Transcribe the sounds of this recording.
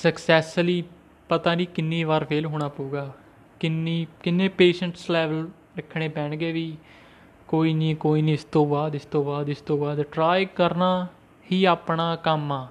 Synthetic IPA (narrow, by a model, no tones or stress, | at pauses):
səksɛːsfliː | pət̪ãːnĩːkɪnːiːʋaːɾpʰeːlɦoːɽ̃aːpuːɡaː | kɪniːkɪnːẽːpeːʃəɳʈslɛːʋəl | ɾɪkʰːɽẽːpɛ̃ːɳɡeːʋiː | koːiːnĩːkoːiːnĩːɪst̪õːbaːd̪ɪst̪õːbaːd̪ɪst̪õːbaːd̪ʈɾaːjkəɾnaː | hiːaːpɳaːkəmaː